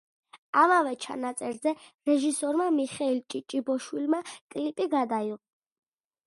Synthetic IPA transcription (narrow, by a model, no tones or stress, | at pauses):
amavɛt͡ʃʰa̰nat̪sʼɛɾzɛɾɛʒisɔɾmamiχɛilt͡ʃʼit͡ʃʼibɔʃwilmakʼlipʼiɡad̪aiʁ